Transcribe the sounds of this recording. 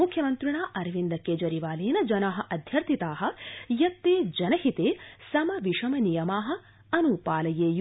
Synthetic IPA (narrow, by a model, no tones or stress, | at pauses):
ukʰjɐmɐnt̪ɾiɳaːʔɐɾʋind̪ɐkeːd͡ʒɐɾiʋaːleːnɐd͡ʒɐnaːɦɐ̆ʔɐd̪ʱjɐɾt̪ʰit̪aːɦɐ̆jɐt̪ːeːd͡ʒɐnɐɦit̪eːsɐmɐʋiʂɐmɐnijɐmaːɦɐ̆ | ɐnupaːlɐjeːj